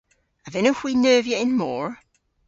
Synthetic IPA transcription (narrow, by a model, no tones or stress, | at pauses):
əvɛnohwiːnɜːvjɛʔɪ̃nmɔːɹ